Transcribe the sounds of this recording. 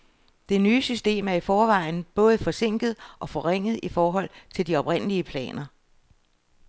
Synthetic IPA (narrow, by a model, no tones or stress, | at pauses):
d̥e̝nyːsysd̥e̝̰ːmæɐifɒːʋɑ̈ɪn̩b̥ɔ̽ːð̞̩ˠəfɒ̽se̝ŋ̰ɡ̥ð̞̩ˠʔɒ̽fɒ̽ʁeŋ̰ð̞̩ˠifɒːɦɒ̽l̰t͡sʰe̝ld̥iɒ̽b̥ʁen̰əliəpʰlɛ̰ːnɐ